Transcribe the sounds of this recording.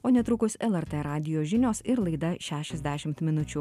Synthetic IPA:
oːnʲɛt̪ɾʊkʊsɛlˠɛɾt̪ɛɾɑːd̪ʲɪjoːʒʲɪnʲoːsɪɾlˠɐɪd̪ɐʃʲæːʃʲɛzʲd̪ʲæːʃʲɪmt̪mʲɪnʊt͡ʃʲu

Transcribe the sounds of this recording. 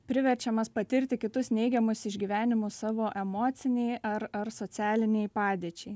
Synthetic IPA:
pʲɾʲɪʋʲɛɾʲt͡ʃʲɛmɐspɐt̪ʲɪɾʲt̪ʲɪkʲɪt̪ʊsnʲɛɪɡʲɛmʊsɪʒʲɡʲiːʋʲæːnʲɪmʊssɑːʋoːʔɛmoːt̪sʲɪnʲɛɪɐɾɐɾsoːæːlʲɪnʲɛɪpɑːd̪ʲeːt͡ʃʲɛɪ

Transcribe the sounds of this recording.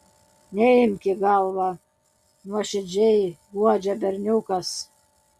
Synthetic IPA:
nʲɛɪmʲkʲɪɡɑlˠʋɑ | nuɔʃʲɪd͡ʒʲɛjɡuɔd͡ʒʲɛbʲɛɾʲnʲukɐs

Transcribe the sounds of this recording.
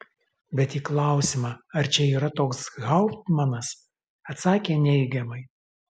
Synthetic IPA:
bʲɛt̪iːklˠɑˑʊsʲɪmɑːɐɾt͡ʃʲɛiːɾɐt̪oːksɣɐʊt̪mɐnɐs | ɐt̪sɑːkʲeːnʲɛɪɡʲɛmɐɪ

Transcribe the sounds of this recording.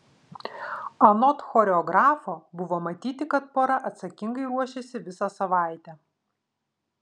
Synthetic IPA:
ɐnɔt̪xɔɾʲɛɔɡɾɑːfoːbʊʋoːmɐt̪ʲiːt̪ʲɪkɐt̪̚poːɾɐʔɐt̪sɐkʲɪŋɡɐɪɾuɔʃʲɛsʲɪʋʲɪsɐsɐʋɑˑɪt̪ʲɛ

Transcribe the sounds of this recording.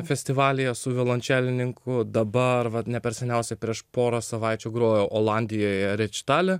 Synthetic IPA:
fʲɛsʲt̪ʲɪʋɑːlʲɪjɛsʊʋʲɪlˠɐnʲt͡ʃʲæːlʲɪnʲɪŋkʰʊd̪ɐbɐɾʋɐnʲɛpʲɛɾʲsʲɛnʲɛʊsʲɛpʲɾʲiɛʃpoːɾɐsɐʋɑɪt͡ʃʲʊːɡɾoːjoːʔoːlˠɑnʲd̪ʲɪjoːjɾʲɛt͡ʃʲɪ̥t̪ɑːlʲɪ

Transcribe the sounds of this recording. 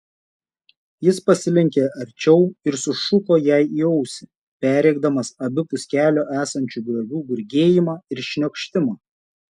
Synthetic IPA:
jɪspɐsʲɪlʲɪŋʲkʲeːʔɐɾʲt͡ʃʲɛʊɪɾsʊʃʊkoːjæˑɪiːɛʊsʲɪ | pʲæːɾʲɛɪɡ̚d̪ɐmɐsɐbʲɪpʊsʲkʲæːlʲoːʔæːsɐnʲt͡ʃʲuːɡlʲɐɡʲuːɡʊɾʲɡʲeːjɪmɑːɪɾʃʲnʲokʃʲt̪ʲɪmɑː

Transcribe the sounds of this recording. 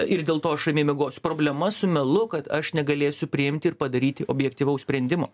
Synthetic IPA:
ɪɾd̪ʲeːlˠt̪oːɐʃɐɪmʲeːmʲɛɡoːsʲʊ̥pɾoːbʲlʲɛmɐsʊmʲɛlˠʊkɐt̪ɐʃnʲɛɡɐlʲeːsʲʊpʲɾʲɪɪmʲt̪ʲɪɪɾpɐd̪ɐɾʲiːt̪ʲɪʔoːbʲjɛkt̪ʲiːʋɐʊsʲpʲɾʲɛnʲd̪ʲɪmoː

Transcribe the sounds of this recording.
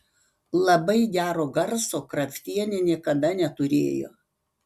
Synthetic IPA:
lˠɐbɐɪɡʲæːɾoːɡɐɾsoːkɾɐfʲt̪ʲiɛnʲenʲiɛkɐd̪ɐnʲɛt̪ʊɾʲḛːjo̰ː

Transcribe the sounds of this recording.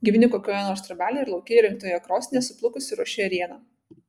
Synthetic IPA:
ɡʲɪʋʲɪnʲɪkoːkʲoːjɛnoːɾst̪ɾɐbʲæːlʲeːɪɾlˠɒʊkʲejɛɾʲɪŋk̚t̪oːjɛkɾoːsʲɪnʲɛsʊplˠʊkʊsʲɪɾuɔʃʲɪɐɾʲiɛnɑ

